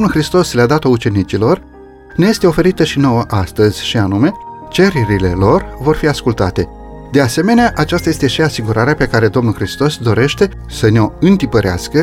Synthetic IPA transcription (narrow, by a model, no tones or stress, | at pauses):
omnulxɾist̪o̞slead̪at̪o̞ut͡ʃe̞nit͡ʃilo̞r | neje̞st̪e̞o̞fe̞ɾit̪əʃino̞wəʔast̪əzʲʃianume̞ | t͡ʃe̞ɾiɾile̞lo̞rvo̞rfiaskult̪a̰t̪e̞ | d̪e̞ase̞me̞neaʔat͡ʃast̪aje̞st̪e̞ʃiasiɡuɾʔaɾeape̞kaɾe̞d̪o̞mnulxɾist̪o̞sd̪o̞ɾe̞ʃt̪e̞ | səneo̞ɨnt̪ipəɾea̰skə